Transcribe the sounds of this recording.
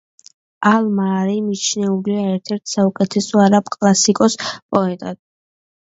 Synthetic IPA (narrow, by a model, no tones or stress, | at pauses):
almaːɾimit͡ʃʰnɛuliaɛɾt̪ʰɛɾt̪ʰsaukʼɛt̪ʰɛsɔaɾapkʼlˠasikʼɔspʼɔɛt̪ʼad̪